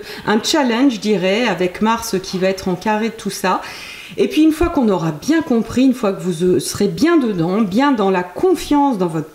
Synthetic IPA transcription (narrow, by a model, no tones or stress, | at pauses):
ɛ̃t͡ʃalɛ̃nʒəd̪iʁɛavɛkmaʁsəkʲʰivaɛt̪χɑ̃kaʁet̪ʰusa | epɥiynfwakɔ̃nɔʁabjɛ̃kɔ̃pχiynfwakəvuzsəʁebjɛ̃d̪əd̪ɑ̃bjɛ̃d̪ɑ̃lakʰɔ̃fjɑ̃sd̪ɑ̃vɔt̪χ